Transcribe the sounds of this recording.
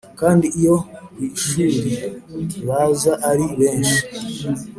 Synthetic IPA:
kaːndiːjoiʃuːɾiβazaʔaɾiβeːni

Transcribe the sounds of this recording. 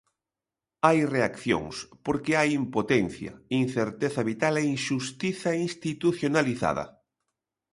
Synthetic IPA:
ajreakθjo̰ŋspoɾkeajimpot̪ɛn̟θjɐ̰in̟θeɾt̪eθɐβit̪aleiŋʃust̪iθaiŋst̪it̪uθjonaliθa̰ðɐ̰

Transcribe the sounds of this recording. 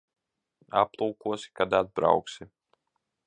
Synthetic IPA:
a̰plˠuːkuɔsi̥kad̪ad̪̚bɾa̰wksi

